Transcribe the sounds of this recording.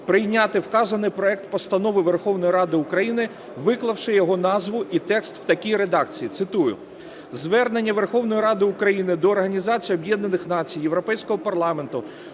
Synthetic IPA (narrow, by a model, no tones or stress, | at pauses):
pɾɪjnʲat̪ɪwkɑzɐnɪjpɾɔɛk̚t̪̚pɔst̪ɐnɔʋɪʋerxɔwnɔjiɾɑd̪ɪʊkɾɐjinɪ | ʋɪklˠɐwʃɪjɔɦɔnɑzʋʊʔit̪ɛkst̪w̥t̪ɐkʲijɾed̪ɑkt͡sʲijit̪sɪt̪ujʊ̰ | zʋɛrne̞nʲːɐʋerxɔwnɔjiɾɑd̪ɪʊkɾɐjinɪd̪ɔːrɦɐnʲizɑt͡sʲijɔbjɛd̪nɐnɪxnɑt͡sʲijjeʋɾɔpɛjsʲkɔɦɔpɐrlˠɑment̪ʊ